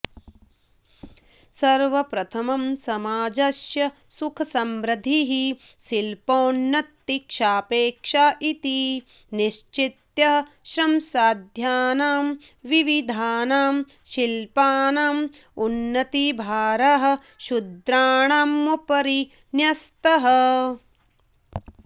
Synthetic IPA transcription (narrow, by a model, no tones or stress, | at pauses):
sɐɾʋɐpɾɐt̪ʰɐmɐmsɐmaːd͡ʒɐʃjɐsukʰɐsɐmɾɐd̪ʱiɦiʃilpoːnːɐt̪ːikʃaːpeːkʂaːʔit̪i | niʃt͡ʃit̪jɐɦɐ̆ʃɾɐmsaːd̪ʱjaːnaːmʋiʋid̪ʱaːnaːm | ʃilpaːnaːmunːɐt̪ibʱaːɾɐɦɐ̆ | ʃud̪ɾaːɳaːmːupɐɾi | njɐst̪ɐɦɐ